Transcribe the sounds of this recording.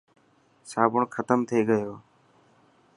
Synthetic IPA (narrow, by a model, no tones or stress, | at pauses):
saːbʊɳkʰət̪əmt̪ʰəiːɡəjoː